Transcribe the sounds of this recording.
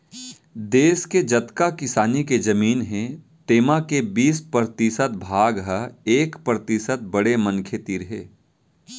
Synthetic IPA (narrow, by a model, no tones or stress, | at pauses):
d̪eːsked͡ʒɐt̪kakɪsaːniked͡ʒɐmiːnɦẽ | t̪eːmakebiːspɾəɾt̪ɪsət̪̚bʱaːɡɦəeːkpɾət̪ɪsət̪̚bɐɽemə̃nkʰet̪iɾɦeː